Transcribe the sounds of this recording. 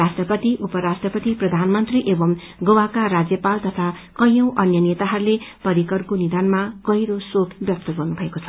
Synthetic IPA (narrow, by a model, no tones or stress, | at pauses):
rasʈrʌpʌt̪iʔupʌɾasʈrʌpʌt̪iprʌd̪ʱanmʌnt̪riʔebʌm | ɡʌwakaɾad͡zjʌpalt̪ʌt̪ʰa | kʌjʌ̃w̃ʔʌnjʌnet̪aɦʌɾulepʌɾikʌrkonid̪anmakʌiɾosokbjʌp̚t̪ʌɡʌrnubʱʌekot͡sʰʌ̥